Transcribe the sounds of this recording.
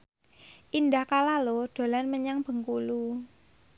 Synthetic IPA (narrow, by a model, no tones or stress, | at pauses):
ʔindahkalaloɖ̥o̤lanməɲaŋb̥ə̤ŋkulu